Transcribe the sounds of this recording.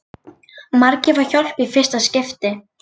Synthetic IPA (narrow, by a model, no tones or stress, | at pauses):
maɾcɪvaɾçɔl̥pifɪr̥st̪ascɪft̪ɪ